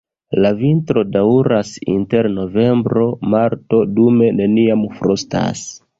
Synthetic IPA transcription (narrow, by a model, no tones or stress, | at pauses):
lavintɾo̞dauɾasḭnte̞ɾno̞ve̞mbɾo̞maɾto̞dume̞ne̞niamfɾʔosta̰s